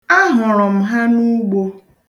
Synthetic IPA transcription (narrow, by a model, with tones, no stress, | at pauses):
a˦ɦʊ˨ɾɔ˨m̩˨ɦa˦nu˦ɡ͡bo˨